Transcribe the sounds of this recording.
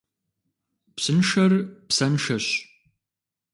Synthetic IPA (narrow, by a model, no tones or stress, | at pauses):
psɨnʂɐrpsɐnʂɐɕ